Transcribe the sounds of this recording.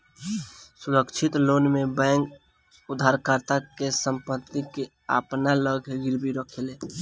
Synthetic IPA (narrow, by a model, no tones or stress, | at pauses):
suɾəkt͡ʃʰɪt̪loːnmebɛ̃ːŋk | ʊd̪ʱaɾkaɾt̪akesə̃mpət̪ːike | a̰pnaləɡʱɡɪɾbʱiɾəkʰele